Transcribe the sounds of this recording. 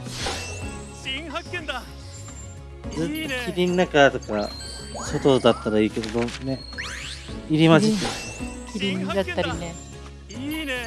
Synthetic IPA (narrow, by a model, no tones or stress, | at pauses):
zɨt̪ːokʲiɾʲinːakat̪o̞ka | sot̪od̪at̪ːaɾaiːke̞d̪od̪one | iɾʲimaɕiekʲiɾʲiɲjat̪ːaɾʲine